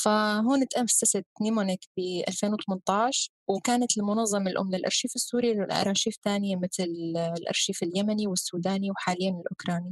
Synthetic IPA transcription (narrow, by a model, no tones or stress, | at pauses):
faɦoːnɪt̪ʔamfsasat̪nimonɪkbɪʔa̰lfeːnwɪt̪ɑmɪnt̪ˤɑːʃ | wkaːnat̪lmʊnɑðˤːɑmɪlʔʊ̰mːnɪlʔɑ̰ɾʃiːfɪsːuːɾillʔɑ̰ɾˤɑʃiːft̪aːnɪjamɪt̪llʔɑ̰ɾˤʃiːfɪljamaniwɪsːuːd̪aːniwħaːlɪjːamɪnɪlʔʊkɾˤɑːni